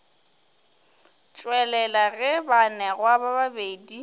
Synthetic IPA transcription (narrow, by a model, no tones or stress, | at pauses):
t͡ʃʼwɛlɛlaɣɛbanɛɣwabababedi